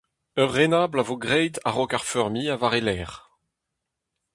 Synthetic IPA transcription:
œʁːenaːblavoɡʁɛjtaʁɔkaʁfœʁmiːavaʁelɛːʁ

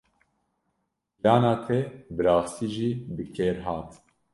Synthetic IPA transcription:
lɑːnɑːt̪ʰɛbɨɾɑːst̪iːʒiːbɨkʰeːɾɦɑːt̪

